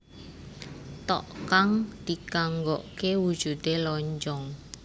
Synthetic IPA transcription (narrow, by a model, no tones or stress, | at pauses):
t̪ɔ̰ʔkaŋd̪̥ikaŋɡɔʔkewud̥ʒ̥ṳd̪elɔɲd͡ʒɔŋ